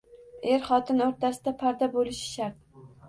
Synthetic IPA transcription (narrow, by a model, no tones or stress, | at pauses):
eɾχɒt̪ʰɪnoɾt̪ʰasɪd̪apʰaɾd̪abolɪʃɪ̥ʃaɾt̪̚